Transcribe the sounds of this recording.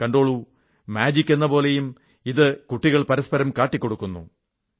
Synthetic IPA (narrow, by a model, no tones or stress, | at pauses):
kɐɳɖo̞ːɭu | maːd͡ʑikʲːe̞nːɐpo̞ːle̞jum | iðɨkuʈːiɣɐɭpɐɾɐspɐɾɐmkaːʈːikʲːo̞ɽukːunːṵ